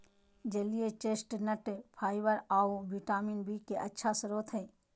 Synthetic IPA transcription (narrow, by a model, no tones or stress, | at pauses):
d͡ʒəlijet͡ʃeːsʈnəʈpʰaːɪʋəɾaːobiʈaːminbikeʔɐtːʃʰasəɾoːt̪ʰɦɛː